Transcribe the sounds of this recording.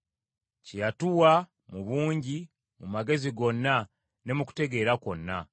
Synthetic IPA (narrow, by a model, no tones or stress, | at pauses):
cijatuwa | muβuːɲɟi | mumaɡe̞ziɡo̞nːa | ne̞muku̥te̞ɡe̞ːɾako̞nːa